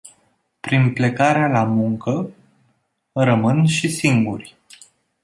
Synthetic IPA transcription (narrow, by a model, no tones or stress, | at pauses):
pɾinple̞kaɾealamuŋkə | rəmɨnʃisiŋɡurʲ